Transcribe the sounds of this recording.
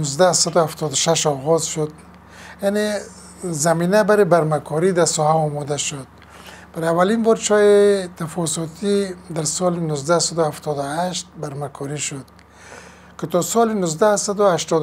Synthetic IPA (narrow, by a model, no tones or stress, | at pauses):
nʊzd̪asad̪ʊhaft̪ʰɔd̪ʊʃaʃɔɣɔzʃʊd̪̚ | jane | zaminabaɾebaɾmakʰɔɾid̪asɔhaɔmɔd̪aʃʊd̪̚ | b̥aɾavalinbɔɾt͡ʃɔjet̪afɔsɔt̪ʰid̪aɾsɔlɪnʊzd̪asad̪ʊaft̪ɔd̪ʊhaʃt̪̚baɾmakʰɔɾiʃʊd̪ | kɪt̪ɔsɔlɪnʊzd̪asad̪ʊaʃt̪ɔd̪